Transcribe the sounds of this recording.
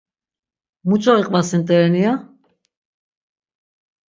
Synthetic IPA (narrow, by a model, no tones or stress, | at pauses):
mut͡ʃʰʼɔiqʼvasint̪ʼɛɛnia